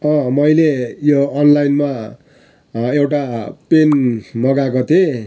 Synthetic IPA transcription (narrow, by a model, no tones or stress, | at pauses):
ʌ̃mʌjlejoʌnlajnma | ewʈapenmʌɡakot̪ʰe